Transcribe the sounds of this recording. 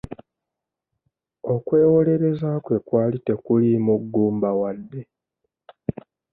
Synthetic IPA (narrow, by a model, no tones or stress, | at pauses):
o̞kwe̞ːwo̞le̞ɾe̞zaːkwe̞kwaːlite̞kulimuɡːuːmbawadːe̞